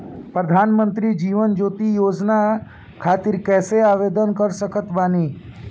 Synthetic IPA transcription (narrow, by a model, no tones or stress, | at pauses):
pɾəd̪ʱaːnmənt̪ɾid͡ʒiːʋənd͡ʒoːt̪ijoːd͡ʒna | kʰaːt̪iɾkɛːseaːʋed̪ənkəɾsəkət̪baːniː